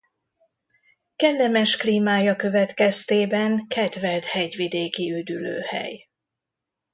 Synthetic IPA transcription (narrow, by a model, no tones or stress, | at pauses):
kɛlːɛmɛʃkliːmaːjɒkø̞vɛt̪kɛst̪eːbɛŋkɛt̪vɛlt̪hɛɟʋid̪eːkiyd̪ylø̰ːhɛ̰j